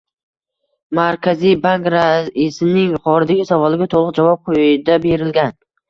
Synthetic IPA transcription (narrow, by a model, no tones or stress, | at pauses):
maɾkʲʰazijbaŋkɾaisɪnɪŋχɒɾɪd̪aɡʲɪsavɒlˠɪɡʲat̪ʰolˠɨqd͡ʒavɒp̚qʰojɪd̪abe̞ɾɪlɡʲan